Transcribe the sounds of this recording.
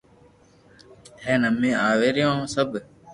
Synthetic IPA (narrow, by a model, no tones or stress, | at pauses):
heːnəmːĩːaːʋeːɾɪjõːsəb